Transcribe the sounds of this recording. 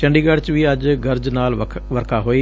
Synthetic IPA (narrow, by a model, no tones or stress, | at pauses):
ʃɛ̃ːɳɖiːɡaɖt͡ʃʋiːəd͡ʒɡəɾd͡ʒnaːlʰʋəɾkʰaːɦoːiː